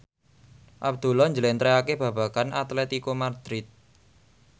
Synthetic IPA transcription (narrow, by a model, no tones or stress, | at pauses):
ʔab̚d̪̥ṳlɔɲd͡ʒəlɛnt̪ɾeakeb̥ä̤b̥a̤kanʔat̪lɛt̪ikomard̪̥ɾɪt̪̚